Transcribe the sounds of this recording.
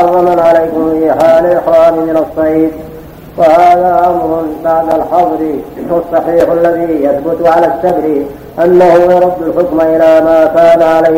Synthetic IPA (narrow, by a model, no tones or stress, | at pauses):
ɑrˤːɑmanʕalajkʊmfiːħaːlɪlɪxwaːnɪmɪnasˤːɑiːd̪ | fahaːðaːʕamɾʊnbaʕd̪alħɑðˤɾɪɑsˤːɑħiːħʔalːaðiːjaθbʊt̪ʊʕalaːsːabɾɪ | ʔanːahʊjɑɾˤɑd̪ːʊlħʊkmaʔɪlaːmaːkaːnaʕala